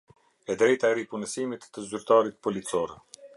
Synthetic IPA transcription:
ɛd̪ɾɛjt̪aɛɾipunəsimit̪ːəzyɾt̪aɾit̪̚pɔlit͡sɔɾɛ

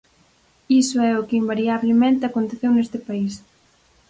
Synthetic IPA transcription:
isʊɛʊkɪimbaɾiaβlemẽnt̪ɪakont̪eθewnest̪ɪpais

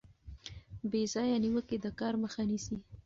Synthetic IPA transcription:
bezɑjaniwəked̪əkɑɾməxanisi

